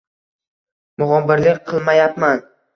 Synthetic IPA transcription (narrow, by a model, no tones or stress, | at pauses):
mʊʁɒmbɪɾlɪkʲqʰɨlˠmajapman